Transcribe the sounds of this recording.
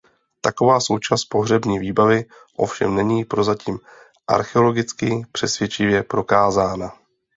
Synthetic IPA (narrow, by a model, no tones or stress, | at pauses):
t̪ako̞vaːso̞wt͡ʃast̪̚po̞ɦrɛbɲiːviːbavɪ | ʔo̞fʃɛ̰mnɛɲiːpɾo̞zaciːm | ʔa̰ɾxɛo̞lo̞ɡɪt͡skɪpr̥ɛsvjɛt͡ʃɪvjɛpɾo̞kaːzaːna